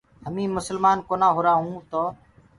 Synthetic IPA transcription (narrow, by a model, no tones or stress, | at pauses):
həmĩːmʊsəlmaːnkoːnãːɦʊːɾaːɦũːt̪oː